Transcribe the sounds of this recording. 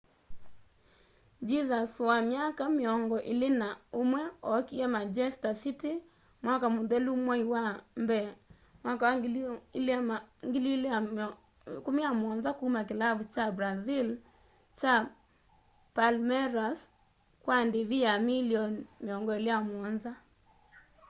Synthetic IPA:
d͡ʒizaswamjakameɔŋɡɔʔelenaomwɛɔkiɛmad͡ʒɛstasite | mwakamuðɛlumwaiwambɛ | mwakawlŋɡilila | komijamɔnzakumakelavut͡ʃabɾazil | t͡ʃa | palmɛɾas | kwandeβijamiliɔnmeɔŋɡɔelejamɔnza

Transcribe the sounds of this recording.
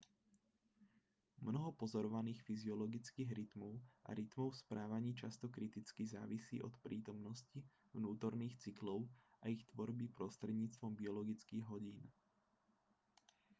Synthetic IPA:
mnɔɦɔpɔzɔɾɔʋaniːxfiziɔlɔɡit͡skiːɣɾit̪mɔʊʔa̰ɾit̪mɔʊspɾaːʋaɲiːt͡ʃast̪ɔkɾit̪it͡skiza̰ːʋisḭːʔɔ̰t̪pɾʔiːt̪ɔmnɔsci | vnuːt̪ɔɾniːxt͡siklɔʊʔaixt̪ʋɔɾbipɾɔst̪ɾʲɛd̪ɲiːt͡st̪ʋɔmbiɔlɔɡit͡skiːɣɦɔɟiːn

